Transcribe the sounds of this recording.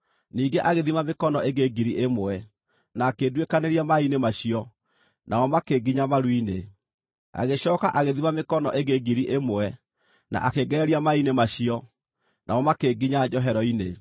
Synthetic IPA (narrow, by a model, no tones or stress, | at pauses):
niːɡeʔaɣeðimamekɔnɔʔeɡeɡiɾiʔemoɛ | naːkeːdwekaneɾiamainemaɕiɔ | nʔaɔmakeɡiɲamaɾwine | a̰ɣeɕɔːka̰ʔaɣeðimamekɔnɔ̰ʔeɣeɡiɾiʔemoɛ | nʔa̰ʔakeɡɛɛɾiamainemaɕiɔ | nʔaɔmakeɡiɲad͡ʒɔɦɛɾɔine